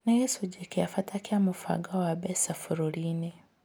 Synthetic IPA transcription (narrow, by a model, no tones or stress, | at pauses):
najɛsud͡ʒekijafatʰakiamufa̰ɡawabɛsafuɾuline